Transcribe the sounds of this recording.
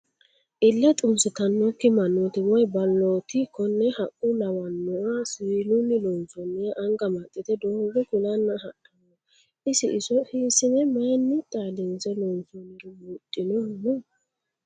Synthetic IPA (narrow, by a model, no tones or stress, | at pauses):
ʔɪlːɛt̪ʼʊnsɪt̪ɐnːɔkːɪmɐnːɔt̪ɪwɔjbɐlːɔːt̪ɪkʰːɔnːɛhɐʔʼʊnɐwɐnːʊwasiːlʊnːɪlɔnt͡sɔnːɪjɐʔɐŋɡɐmɐt̪ʼːɪt̪ɛd̪oːɡɛkʊlɐnːɐhɐʔɐnɔ | ɪsɪʔɪsɔhisɪnɛmɐjnːɪt̪ʼaːdɪnzɛlɔnt͡sɔnːɪɾɔmʊt̪ʼːɪnɔmɔ